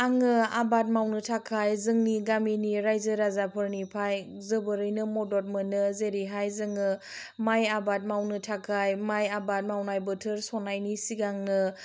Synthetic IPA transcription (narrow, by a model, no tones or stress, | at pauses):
aŋɯabat̚mawnɯtʰakʰajzɯŋniɡaminiɾajzɯɾazapʰɯɾnipʰaj | zɯbəɾɯjnɯmɔdɔt̚mɯnɯzeɾiɦajzɯŋɯ | majabat̚mawnɯtʰakʰajmajabat̚mawnajbɯtʰɯɾsɔnajnisiɡaŋnɯ